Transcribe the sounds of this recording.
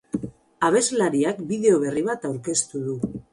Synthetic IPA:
aβ̞e̞zlaɾiakbiðe̞o̞β̞e̞riβ̞at̪awɾke̞st̪uðu

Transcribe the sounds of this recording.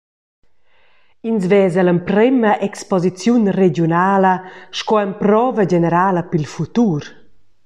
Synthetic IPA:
inzvɛːzələmpɾɛmɐʔɛkspɔzit͡sjunred͡ʒjunaːləʃkɔɛmpɾɔːvəd͡ʒɛnəɾaːləpilfut̪uɾ

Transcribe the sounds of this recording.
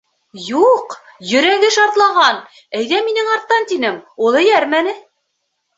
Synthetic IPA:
juq | jɵ̆ɾæɡɘʃɑɾt̪lˠɑʁɑn | æjðæminɘŋɑɾt̪ːɑnt̪inɘmulˠɘ̆jæɾmænɘ

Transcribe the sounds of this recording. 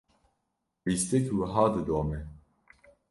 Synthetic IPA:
list̪ɛkwəɦɑːd̪ɨd̪oːmɛ

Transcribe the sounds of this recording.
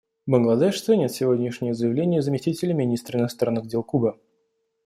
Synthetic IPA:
bənɡlˠɐd̪ɛʂsanʲɪt̪sʲɪvodʲnʲɪʂnʲɪjəzəjɪvlʲenʲɪjəzəmʲɪsʲtʲitʲɪlʲəmʲɪnʲist̪ɾəɪnɐst̪ɾanːɨɣdʲe̞lˠkubə

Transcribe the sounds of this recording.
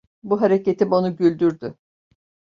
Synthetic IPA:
buɦaɾecet̪imo̞nuɟylʲd̪yɾd̪y

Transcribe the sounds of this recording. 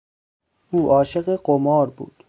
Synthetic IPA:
uːʔɒːʃeɢeɢomɒːɾbṵːd̪̥

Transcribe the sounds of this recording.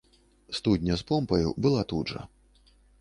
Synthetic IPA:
st̪ud̪ʲnʲɐspɔmpɐjṵbɨlˠat̪udʐɐ̰

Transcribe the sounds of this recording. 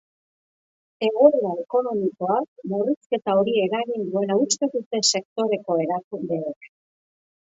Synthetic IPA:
e̞ɣoɾuae̞ko̞no̞miko̞akmuriske̞t̪ao̞ɾie̞ɾaɣind̪ue̞laust̪e̞ðut̪e̞se̞k̚t̪o̞ɾe̞ko̞e̞ɾakund̪e̞ːk

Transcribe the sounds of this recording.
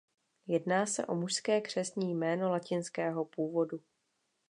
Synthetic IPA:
jɛdnaːsɛ̰ʔo̞muʃskɛːkr̝̥ɛsɲiːjmɛːno̞lacɪnskɛːɦo̞puːvo̞du

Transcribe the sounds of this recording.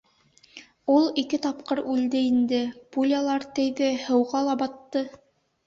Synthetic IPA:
ulˠikɘt̪ɑp̚qɤɾʉld̪ɘind̪ɘpulʲalˠɑɾt̪ɘ̆jðɘhɤ̆wʁɑlˠɑbɑt̪ːɤ

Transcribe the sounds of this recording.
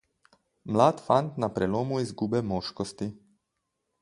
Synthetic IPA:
mlaːt̪fant̪napɾɛloːmuizɡuːbɛmoːʃkɔst̪i

